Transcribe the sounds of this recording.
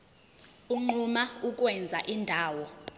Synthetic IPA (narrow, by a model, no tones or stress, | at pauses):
uŋ͡ǃumauk̬ʼwɛnd͡zʱaʔindʱaːwɔ